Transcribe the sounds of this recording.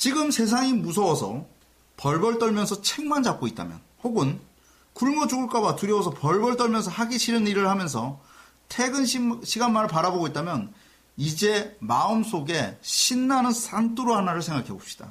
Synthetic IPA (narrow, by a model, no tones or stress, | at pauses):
t͡ɕiɡɯmsʰe̞s̬ʰaŋimusʰʌwʌsʰʌ̰ | pʌɭbʌɭt͈ʌɭmjʌnsʰʌt͡ɕʰeŋmand͡ʑap̚k͈oit̚t͈a̰mjʌnhoɡɯn | kuɭmod͡ʑuɡuɭk͈abatuɾjʌwosʰʌpʌɭbʌɭt͈ʌɭmjʌnsʰʌhaɡiɕʰiɾɯniɾɯɭhamjʌns̬ʰʌ | tʰeɡɯnɕʰiɡanmaɾɯɭpaɾaboɡoit̚t͈amjʌn | id͡ʑe̞maɯms͈oɡe̞ɕʰinːanɯnsant͈uɾoɦanaɾɯɭsʰe̞ŋɡakʰeɡop̚ɕ͈i̥d̥a̰